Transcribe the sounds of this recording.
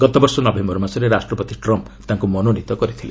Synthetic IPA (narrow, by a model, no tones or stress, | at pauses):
ɡɔt̪ɔbɔɾsɔnɔbʱemɔɾmasɔɾeɾasʈɾɔpot̪iʈɾɔmp | t̪aŋkumɔnonit̪ɔkɔɾit̪ʰile